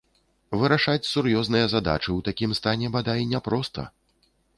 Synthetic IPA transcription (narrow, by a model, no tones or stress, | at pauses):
vɨɾaʂat͡sʲsurjɔznɨjɐzad̪a̰t͡ʂɨwt̪akʲimst̪anʲɛbad̪ainʲɛpɾɔst̪ɐ̰